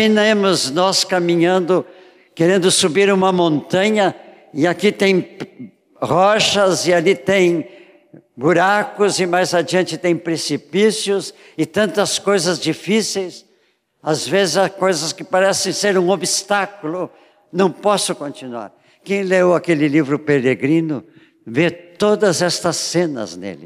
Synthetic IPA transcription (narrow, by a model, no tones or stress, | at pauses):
minẽmʊznɔskamĩɲɐ̃nd̪ʊ | keɾẽnd̪ʊsubiɾũmɐmõnt̪ɐ̃ɲɐ | ɪakit̪ẽj̃ | hɔʃɐzɪalit̪ẽj̃ | buɾakʊzɪmajzad͡ʒiɐ̃nt͡ʃɪt̪ẽj̃pɾesipisjʊs | ɪt̪ɐ̃nt̪ɐskojzɐzd͡ʒifisejs | azvezɪzɐkojzɐskɪpaɾɛsẽj̃seɾũobist̪akulʊ | nɐ̃w̃pɔsʊkõnt͡ʃinua̰ɾ | kẽj̃lewakelɪlivɾʊpeɾeɡɾĩnʊ | vet̪od̪ɐzɛst̪ɐsẽnɐ̰znḛlɪ